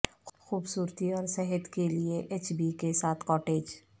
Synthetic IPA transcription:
xuːbsuːɾt̪iɔːɾsɛɦət̪kelieʔeːt͡ʃbikesaːt̪ʰkɔːʈeːd͡ʒ

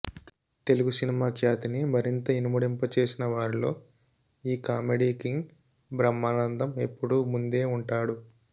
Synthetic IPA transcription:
t̪e̞luɡusinimaːkʃaːt̪inimɐɾint̪ɐinumuɽimpɐt͡ʃe̞ːsinɐʋaːɾilo̞ː | iːkaːmeɖiːkiŋɡ | bɾɐmːaːnɐnd̪ɐme̞pːuɽumund̪e̞ːuɳʈaːɽu

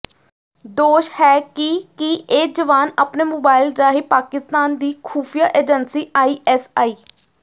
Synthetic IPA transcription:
d̪oːʃhɛːkɪkieːd͡ʒəʋaːnaːpneːmoːbaːɪlɾaːɦiːpaːkɪst̪aːnd̪iːkʰuːpʰijaːʔeːd͡ʒənsiːʔaːiːʔɛːsaːiː

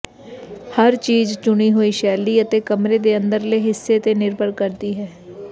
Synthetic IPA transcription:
həɾt͡ʃiːzt͡ʃʊɽ̃iːɦoːiːʃɛːliːət̪eːkəmɾeːd̪eːə̃nd̪əɾleːɦɪsːeːt̪eːnɪɾbəɾkəɾd̪iːɦɛː

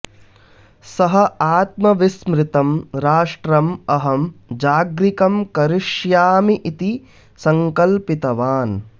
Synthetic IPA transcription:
sɐɦɐaːt̪mɐʋismɾɪt̪ɐmɾaːʂʈɾɐmɐɦɐmd͡ʒaːɡɾikɐmkɐɾɪʃjaːmiʔit̪i | sɐŋkɐlpit̪ɐʋaːn

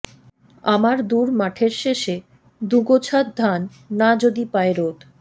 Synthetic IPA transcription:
amaɾd̪uɾmaʈʰeɾʃeʃe | d̪uɡot͡ɕʰat̪̚d̪ʱanː | ad͡ʑod̪ipaeɾot̪

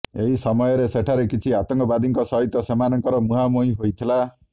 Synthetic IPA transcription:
eɦisɔmɔjɔɾeseʈʰaɾekit͡ʃʰiat̪ɔŋkɔbad̪iŋkɔsɔɦit̪ɔsemanɔŋkɔɾɔmuɦamojɦojt̪ʰila

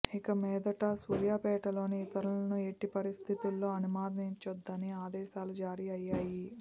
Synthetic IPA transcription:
ikɐmɛːd̪ɐʈɐsuːɾjaːpɛːʈɐlo̞ːniːt̪ɐɾulɐnue̞ʈːipɐɾist̪ʰit̪ulːo̞ːɐnumaːd̪niɲt͡ʃɐd̪ːɐniaːd̪ɛːʃaːlud͡ʒaːɾiɐjːaːji

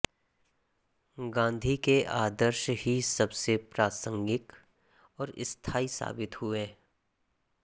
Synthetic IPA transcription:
ɡãːnd̪ʱikeʔaːd̪əɾʃhisɐbsepɾaːsə̃ŋɡɪk | ɔːɾɪ̰st̪ʰaːisa̰ːbɪt̪ɦʊeː

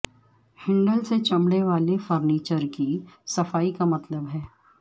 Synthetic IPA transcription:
hɪ̃ɳɖəlset͡ʃɐmɽeʋaːlefɔɾniːt͡ʃəɾkisɐfaːikamɐt̪ləbɦɛː

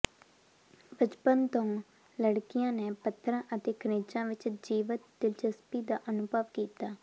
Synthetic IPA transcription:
bət͡ʃpənt̪õ | ləɽkɪjãːneːpət̪ʰːɾãːʔət̪eːkəneːt͡ʃãːʋɪt͡ʃd͡ʒiːʋət̪d̪ɪlt͡ʃəspiːd̪aːʔənʊbəʋkiːt̪aː

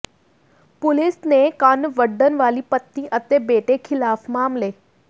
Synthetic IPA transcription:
pʊlisnekanʋəɖːənʋaːliːpət̪ːĩʔət̪ebeʈekʰɪlaːfmaːmleː

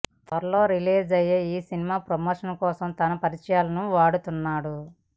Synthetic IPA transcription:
t̪ɐɾɐlo̞ːɾiliːd͡ʒɐjeːiːsinimaːpɾomoːʂɐnkɔːsɐmt̪ɐnɐpɐɾit͡ʃɐjaːlɐnuʋaːɽut̪unːaːɽu

